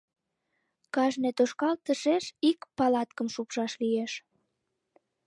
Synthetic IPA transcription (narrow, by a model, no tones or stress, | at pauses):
kɑʒnet̪oʃkɑlt̪əʃeʃikpɑlɑt̪kəmʃupʃɑʃlijeʃ